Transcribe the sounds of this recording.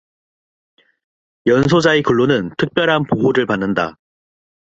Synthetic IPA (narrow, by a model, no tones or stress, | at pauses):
jʌnsʰod͡ʑaekuɭːonɯntʰɯk̚p͈jʌɾɦanpoɦoɾɯɭpanːɯnda̰